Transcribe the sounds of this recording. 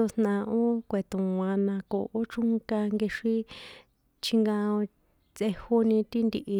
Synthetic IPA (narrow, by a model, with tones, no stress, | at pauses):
o˧snã˧ʔo˦kʷe˨t̪ũ˨wã˧nã˧ko̰˨ʔo˦t͡ʃu˦ŋka˧ŋɡe˧ʂi˦ | t͡ʃʰi˧ŋɡã˧õ˧ | t͡sʔe˧ho˦nĩ˧t̪i˦nd̪i˧ʔi˧